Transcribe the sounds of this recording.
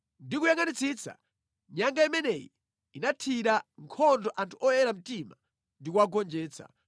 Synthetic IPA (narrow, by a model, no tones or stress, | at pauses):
ndikujaŋanit͡sit͡sʰa̰ | ɲaŋɡaimɛnɛjḭ | inatʰiɗaŋkʰɔndɔʔantʰuʔɔjɛɾam̩tima | ndikuwaɡɔnd͡ʒɛːt͡sʰa̰